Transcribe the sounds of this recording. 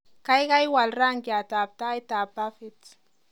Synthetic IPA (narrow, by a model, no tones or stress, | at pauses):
kajɡajwalɾaŋɡjat̪ap̚t̪ajt̪apafɪt͡s